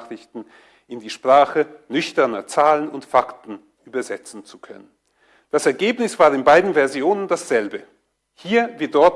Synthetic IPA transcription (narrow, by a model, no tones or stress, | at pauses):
ʁ̥ɪçtn̩ | ɪndiːʃpʁ̥aːχənʏçtɐnɐt͡saːlənʊntfaktn̩ | ʔyːbɐzɛt͡sn̩t͡sukʰœ̰nən | d̥asɛɐɡeːpnɪsv̥aːɐɪnbaɪdn̩vɛɐzjoːnəndasz̥ɛlbə | hiːɐviɪɐtd̥ɔɐt